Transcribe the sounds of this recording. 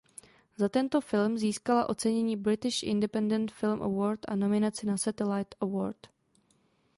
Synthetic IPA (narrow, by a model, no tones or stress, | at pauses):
zat̪ɛnt̪o̞fɪlmziːskalaʔo̞t͡sɛɲɛɲiːbɾɪt̪ɪʃʔɪ̰ndɛpɛndɛnt̪fɪlmʔɛ̰voːɾt̪ʔa̰no̞mɪnat͡sɪnasat̪ɛlajt̪ɛwo̰ːɾt̪